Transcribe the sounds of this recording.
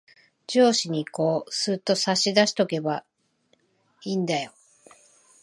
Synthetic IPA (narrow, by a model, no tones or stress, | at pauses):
d͡ʑo̞ːɕiɲ̟iko̞ːsɨt̪ːo̞saɕid̪aɕi̥t̪o̞ke̞ba | iːnd̪ajo̞